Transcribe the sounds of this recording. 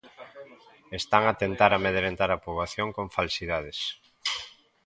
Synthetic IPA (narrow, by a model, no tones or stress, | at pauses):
est̪aŋat̪ent̪aɾameðeɾent̪aɾapoβaθjoŋkõɱfalsiðað̞es